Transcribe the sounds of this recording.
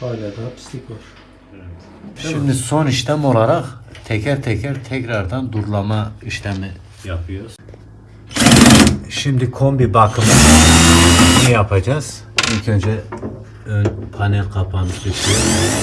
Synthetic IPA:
alad̪apsikoɾ | ʃimd̪iso̞niʃlɛmo̞lˠaɾaqt̪ʰɛcʰɾaɾt̪ʰɛcʰaɾt̪ʰɛcɾaɾd̪and̪uɾlˠamaiʃlɛmi | japʰɯjoɾuz̥ | ʃimd̪ikʰo̞mbibakʰɯmɯ | nɛjapʰad͡ʒaz̥ilcʰø̞nd͡ʒɛ | ønpʰanɛlʲqʰapʰanɯʃb̪iʃijoɾ

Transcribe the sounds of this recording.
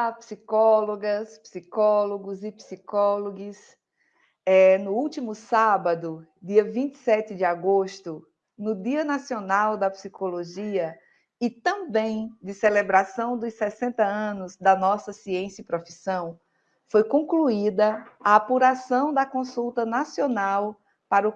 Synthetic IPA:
apsikɔloɡɐspsikɔloɡʊzɪpsikɔloɡɪs | ɛnʊuwt͡ʃimʊsabɐd̪ʊd̪iɐvĩnt̪ɪ̥sɛt̪ɪd͡ʒɪaɡoʃt̪ʊ | nʊd̪iɐnasionawd̪ɐpsikoloʒiɐ | ɪt̪ɐ̃bẽj̃d͡ʒ̪ɪselebɾasɐ̃w̃d̪ʊsɛsẽnt̪ɐɐ̃nʊzd̪ɐnɔsɐsiẽsɐɪpɾofisɐ̃w̃ | fojkõkluid̪ɐaapuɾasɐ̃w̃d̪ɐkõsuwt̪ɐnasionaw | paɾʊ

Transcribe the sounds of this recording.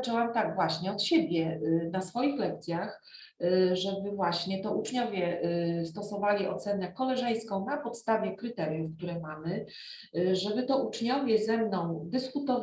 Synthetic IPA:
t͡ʂɛwamt̪aɡvwaɕɲɛɔt̪ɕebʲjɛnasfɔjixlɛk̚t̪sʲjax | ʐɛbɘvwaɕɲɛt̪ɔut͡ʂɲɔvʲjɛst̪ɔsɔvalʲiɔ̰t̪sɛnɛkɔlɛʐɛj̃skɔ̃w̃napɔt̪st̪avʲjɛkɾɘt̪ɛɾjufk̚t̪uɾɛmamɘ | ʐɛbɘt̪ɔʔut͡ʂɲɔvʲjɛzɛmnɔ̃w̃d̪ɘskut̪ɔv

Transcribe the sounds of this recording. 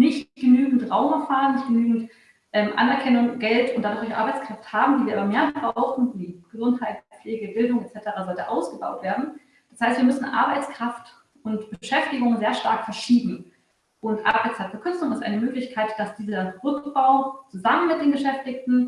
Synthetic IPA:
nɪçtɡ̥ənyːɡŋ̩tʁaʊmɛɐfaːʁənːɪçtɡ̥ənyːɡŋ̩t | ʔɛːmʔa̰nɛɐkʰɛnʊŋɡ̥ɛltʊntd̥anz̥ʊlçəʔa̰ɐbaɪt͡skʁ̥afthaːbm̩diviːɐaːbɐmeːɐbbʁaʊxn̩viːɡ̥əzʊnthaɪtfleːɡəbɪldʊŋɛtt͡sɛtəʁaːzɔltəʔa̰ʊsɡ̥əba̰ʊtv̥eːɐdn̩ | d̥ashaɪstv̥iːɐmʏsn̩ʔa̰ɐbaɪt͡skʁ̥aft | ʊntb̥əəʃɛftɪɡʊŋzeːɐʃtaɐkfɛɐʃiːbm̩ | ʔʊntʔa̰baɪt͡sʰatfɐkʰʏt͡sʊŋɪstʔa̰ɪnəmøːklɪçkʰaɪtd̥asd̥iːzɐʁʏkb̥aʊt͡suzamənmɪt̚d̥eːnɡəʃɛftɪktn̩

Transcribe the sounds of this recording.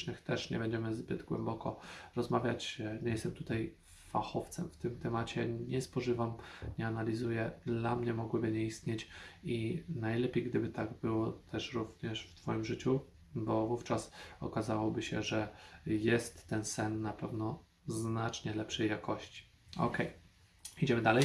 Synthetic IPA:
nɘxt̪ɛʂɲɛ̰bɛɲd͡ʑɛmɘzbɘd̪ɡwɛ̰mbɔkɔɾɔzmavʲjat͡ɕɲɛjɛst̪ɛmt̪ut̪aj | faxɔft̪sɛmft̪ɘmt̪ɛmat͡ɕɛɲɛspɔʐɘvamɲɛanalʲizujɛd̪lamɲɛmɔɡwɘbɘɲɛist̪ɲet͡ɕinajlɛpʲjejɡd̪ɘbɘt̪aɡbɘwɔt̪ʰɛʂɾuvɲɛʂft̪fɔjimʐɘt͡ɕu | bɔvuft͡ʂasɔ̰kazawɔbɘɕɛʐɛjɛst̪ːɛnsɛnːapɛvnɔ | znat͡ʂɲɛlɛpʂɛjːakɔɕt͡ɕi̥ | ɔ̰kɛj | id͡ʑɛmɘd̪alɛj

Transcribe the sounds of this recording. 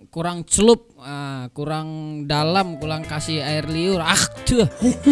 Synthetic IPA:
kuɾaŋt͡ʃlʊp̚əkuɾaŋdalamkuɾaŋkasɪhaɪrliʊraxt̪ʰu

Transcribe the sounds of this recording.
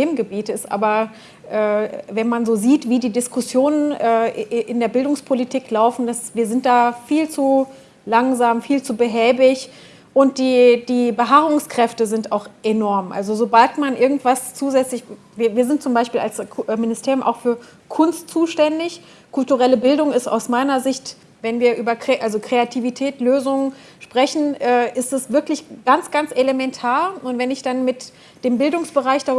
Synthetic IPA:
eːmnɡəbiːtɪstʔa̰ːbɐ | ʔɛːvɛnmanzoːziːtv̥iːdiːdɪskʊsjoːnənɛːʔɪndeːɐbɪldʊŋspʰolitʰiːklaʊfn̩d̥asviːɐzɪnt̚d̥aːfiːlt͡su | laŋzaːmfiːlt͡subəɦɛːbɪç | ʔʊnt̚d̥iːd̥iːbəɦaːʁʊŋskʁ̥ɛftəzɪntaʊxʔenɔɐmʔa̰lzozobaltmanʔɪɐɡŋ̩tv̥ast͡suːzɛt͡slɪç | viːɐviːɐzɪntt͡sʊmbaɪʃpiːla̰lsmɪnɪstʰeːʁjʊmʔa̰ʊxfyːɐ | kʰʊnstt͡suːʃtɛndɪç | kʰʊltuʁɛləbɪldʊŋɪsta̰ʊsmaɪnɐzɪçt | vɛnviːɐʔyːbɐkʁ̥eʔalzokʁ̥eatʰivitʰɛːtløːzʊŋ | ʃpʁ̥ɛçn̩ʔɛːʔɪstɛsv̥ɪɐklɪçɡ̥ant͡sɡ̥ant͡sʔelemɛntʰaːɐʊntv̥ɛnɪçd̥anmɪt | d̥eːmbɪldʊŋsb̥əʁaɪçd̥a

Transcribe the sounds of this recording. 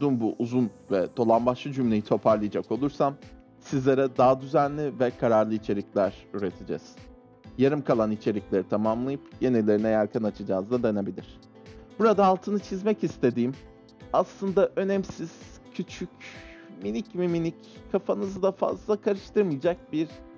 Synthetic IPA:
d̪uːmbuʔuzun | vɛd̪̥o̞lˠambaʃlˠɯd͡ʒymlʲe̞jit̪ʰo̞pʰaɾlˠɯjad͡ʒako̞lˠuɾsam | sizlʲeɾɛd̪aːd̪yzænlʲivɛkʰaɾaɾlˠɯit͡ʃʰe̞ɾiclʲæɾ̥yɾe̞t̪ʰed͡ʒɛ̰z̥ | jaɾɯmkʰalˠanit͡ʃʰe̞ɾiclʲeɾit̪ʰamamlˠajɯpje̞nilʲe̞ɾinɛjaɾkʰanat͡ʃʰɯd͡ʒaːzd̪ad̪anabilʲiɾ̝̥ | buɾad̪aːlˠt̪ʰɯnɯt͡ʃʰizmɛcist̪ʰe̞d̪iːm | aslˠɯnd̪aʔø̞nɛmsiz̥ | cʰyt͡ʃʰycminicmiminickʰːafanɯzɯd̪afa̰zlˠakʰaɾɯʃt̪ʰɯɾmɯjd͡ʒak̚biɾ̥

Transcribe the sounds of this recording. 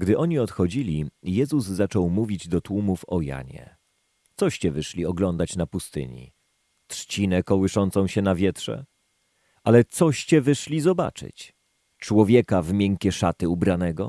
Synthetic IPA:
ɡd̪ɘʔɔɲiɔt̪xɔd͡ʑilʲijɛzuzzat͡ʂɔwmuvʲid͡ʑd̪ɔt̪wumufɔja̰ɲɛ̰ | t̪sɔɕt͡ɕɛvɘʂlʲiɔɡlɔnd̪at͡ɕnapust̪ɘ̰ɲḭ | t̪ʂt͡ɕinɛkɔwɘʂɔnt̪sɔ̃w̃ɕɛnavʲjɛt̪ʂɛ̰ | ʔalɛt̪sɔɕt͡ɕɛvɘʂlʲizɔba̰t͡ʂɘ̰t͡ɕ | t͡ʂwɔvʲjɛkavmʲjɛŋkʲɛʂat̪ɘubɾanɛɡɔ

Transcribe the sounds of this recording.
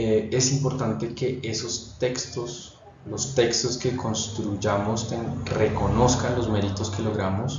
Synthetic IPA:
ee̞simpo̞ɾt̪ant̪e̞ke̞ʔesost̪e̞kst̪os | lo̞st̪e̞kst̪o̞ske̞ko̞nst̪ɾuʝamost̪eŋre̞ko̞no̞skanlo̞zme̞ɾit̪o̞ske̞lo̞ɣɾamo̞s

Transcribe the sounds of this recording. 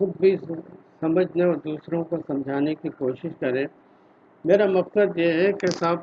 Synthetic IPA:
xʊd̪̚bʱisɐməd͡ʒʱneɔːɾd̪uːsɾõkosɐ̃md͡ʒʱaːnekikoːʃɪʃkɐɾẽː | meːɾamɐqsəd̪jeɦɛkɦɪsaːb

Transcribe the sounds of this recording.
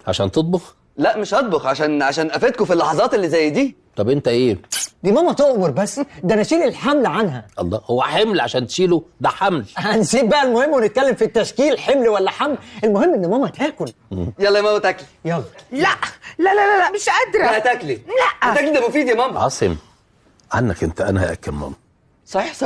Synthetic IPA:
ʕa̰ʃæ̰ːnt̪ot̪̚ˤbox | læʔmeʃʔɑt̪̚ˤboxʕaʃæːnʕaʃæːnʔæfæd̪̚kofilːɑħɑzˤɑːt̪elːizæjːd̪iːt̪ˤɑbʔent̪æʔeːd̪iːmæːmæt̪oʔmoɾˤbæsːd̪ænæʃiːlilħamlʕanɦæʔɑ̰lˤːɑ̰ːhowːæħemlʕa̰ʃæːnt̪ʃiːlod̪æħamlhænsiːbbæʔælmohemːwenet̪̚kælːemfit̪ːæʃkiːlħemlwælːæħamlʔelmohemːʔenːɪmæːmæt̪æːkol | jɑlːɑmæmæt̪æklijɑlːlæʔlælælælæmeʃʔæd̪ɾˤɑæt̪æklilæʔt̪æklid̪æmofiːd̪jæmæːmʕɑ̰sˤem | ʕanːækʔent̪æʔæ̰næhæ̰ʔæ̰kːælmæ̰ːmæ | sˤɑħiːħsˤɑ

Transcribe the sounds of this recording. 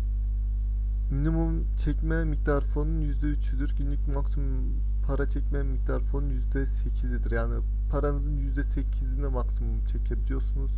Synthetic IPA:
minimum | t͡ʃʰɛcmɛmic̚d̪aɾfo̞nunjyzd̪ɛyt͡ʃʰyd̪yɾɟynlːʲycʲmaksimum | pʰaɾat͡ʃʰɛcmɛmic̚d̪aɾfo̞nunjyzd̪ɛsecʰizid̪iɾjaːni | pʰaɾanɯzɯnjyzd̪ɛsecʰizinɛmaksimumt͡ʃʰɛct͡ʃʰɛbid̪ʲijo̞ɾsunuz̥

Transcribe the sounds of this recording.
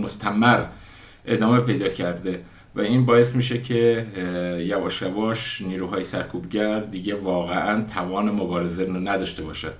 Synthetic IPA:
most̪ʰæmæɾ | ʔe̞d̪ɒːme̞pʰe̞jd̪ɒːcʰæɾd̪e | væiːnbɒːje̞st̪miːʃecʰe | jævɒːʃjævɒːʃniːɾuːɦɒːjesæ̰ɾkʰuːbɟæɾd̪iːɟe̞vɒːɣeʔænt̪ʰævɒːnemobɒːɾezeɾnæd̪ɒːʃt̪e̞bɒːʃæ̥

